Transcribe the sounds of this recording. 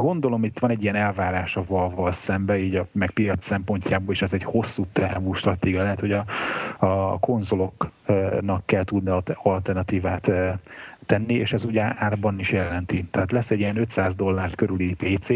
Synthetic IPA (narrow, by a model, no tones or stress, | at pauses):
ɡo̞nd̪o̞lo̞mit̪ʋɒnɛɟːijɛnɛlvaːɾaːʃɒvɒlvɒlsɛmbɛiːɟɒmɛk̚pijɒt̪sɛmpo̞ɲcʰaːboːliʃɛzɛɟho̞sːuːt̪ɛvuːʃt̪rɒt̪eːɡijɒlɛɦɛt̪ho̞ɟɒɒko̞nzolo̞knɒkːɛlt̪ud̪niɒlt̪ɛrnɒt̪iːvaːt̪ː | ɛnːieːʃɛzuɟaːrbɒniʃjɛlːɛnt̪it̪ɛɦaːt̪lɛsːɛɟijɛnøt̪saːzd̪o̞lːaːrt̪køɾylipeːt̪seː